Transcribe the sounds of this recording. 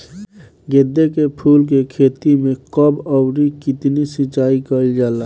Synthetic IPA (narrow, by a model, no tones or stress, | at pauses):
ɡed̪ːekepʰuːlk̬ekʰeːt̪imẽkəbɔwɾikɪt̪nisɪt͡ʃaːikəid͡ʒaːla